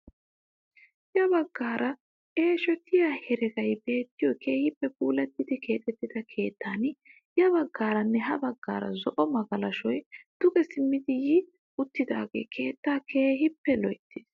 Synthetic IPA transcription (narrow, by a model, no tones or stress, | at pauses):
jɐbɐɡːaːɾʔɐ | ʔe̞ːʃɔt̪ɪjahɛɾɛɡɐjbe̞ːt̪ːɪjɔkʰe̞ːhɪpːɛpuːlɛt̪ːɪd̪ɪke̞ːt̪ʼɛt̪ːɪd̪ɐkʰe̞ːt̪ːaːnɪ | ɪɐbɐɡːaːɾɐnːɛɦɐbɐɡːa̰ːɾɐ̰zɔʔɔmɐɡɐlɐʃɔjd̪̥ʊɡɛsɪmːɪd̪ɪjɪ | ʊt̪ːɪd̪a̰ːɡe̞̰ːkʰe̞ːt̪ːaːkʰe̞ːɦɪpːɛlɔjt̪ːɪs